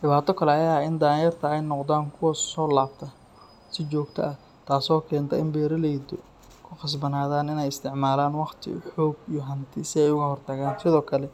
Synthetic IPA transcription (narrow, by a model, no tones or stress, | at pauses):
ɖɪβaːt̪ʰɔkʰɐlɛɐjaːɪnd̪aːjɐrt̪ʰɐɛjnɔqd̪aːŋkʰʊwɐsɔːlaːb̚t̪ʰɐ | sɪt͡ʃɔːɡt̪ʰɐ̰ʔɐh | t̪ʰaːsɔːkʰɛːnt̪ʰɐɪmbɛːɾɐlɛjd̪ɔ | kʰʊqɑs̬bɐnaːðaːnɪnɛjɪst̪ʰɪʕmaːlaːnwɑqt̪ʰɪ̰ħɔːɡijɔɦɐnt̪ʰɪsɪɛjʊɣɐhɔrt̪ʰɐɣaːnsɪðɔːkʰɐlɛ